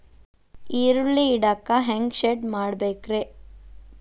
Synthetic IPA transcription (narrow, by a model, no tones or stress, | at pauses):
iɾuɭːiːɽakaɦeŋɡʃeɖmaːɽbeːkɾe